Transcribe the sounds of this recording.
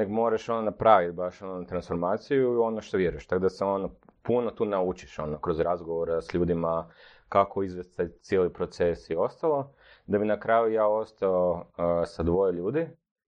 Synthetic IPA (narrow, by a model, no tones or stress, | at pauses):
neɡmo̞ːɾaʃo̞nonapɾaːʋit̪̚baʃonot̪ɾansfo̞ɾmaːt̪sijuio̞noʃt̪oʋjeɾujeʃt̪aɡd̪aseo̞nopunot̪uːnaut͡ʃi̥ʃo̞nokɾo̞zɾazɡoʋoɾasʎuːd̪ima | kakʰoizʋest̪t̪at̪sjelipɾo̞t̪se̞sio̞st̪alˠo̞ | d̪abinakɾaːjujaːo̞st̪aosad̪ʋo̞jeʎuːd̪i